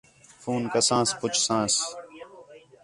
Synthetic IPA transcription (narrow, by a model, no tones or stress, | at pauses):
fuːnkəsãːspʊt͡ʃʰsãːs